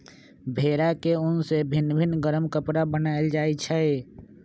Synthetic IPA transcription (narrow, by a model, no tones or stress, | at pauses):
bʱeɾakeʊnsebʱinːbʱinɡəɾəmkəpɾabənaɪld͡ʒaːɛt͡ʃʰɛe